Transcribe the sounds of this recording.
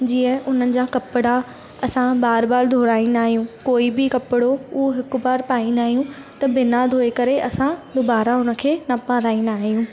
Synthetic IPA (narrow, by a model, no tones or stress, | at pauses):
d͡ʑiːə̃ʊn̤ənɪ̆d͡ʑaːkɐpɪɽa | ɐsãbaːɾbaːɾd̪ʱoːɾaːinaːɦijũkoːibɪkɐpɪɽoʊoɦɪkʊ̆baːɾpaːinaːɦijũ | t̪ɐbɪnad̪ʱoːekɐɾeʔɐsãd̪obaːɾaʊnə̆kʰeːnɐpãːɾaːĩnaːɦijũː